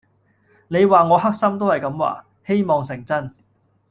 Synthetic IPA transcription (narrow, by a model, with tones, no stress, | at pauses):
ne˨˧jwaː˨ŋɔː˨˧ɦɐ˥k̚sɐ˥mt̪o˥whɐ˨jkɐ˨˥mwa̰ː˨ | he˥jmɔː˨˩ŋsɪ˨˩ŋt͡sɐ˥˩n